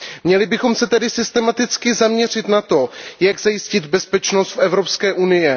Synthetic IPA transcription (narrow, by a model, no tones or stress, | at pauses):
mɲɛlɪbɪxo̞msɛt̪ɛdɪsɪst̪ɛmat̪ɪt͡skɪzamɲɛr̝ɪt̪nat̪o̞jaɡzajɪscɪd̪bɛspɛt͡ʃnost̪fʔɛvɾo̞pskɛːʔunɪjɛ